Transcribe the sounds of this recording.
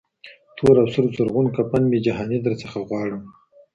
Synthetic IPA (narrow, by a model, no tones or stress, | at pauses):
t̪ʰoɾawsuɾzʊɾɣunkapanmid͡ʒaɦɑnid̪əɾt͡səxaɣwɑɽəm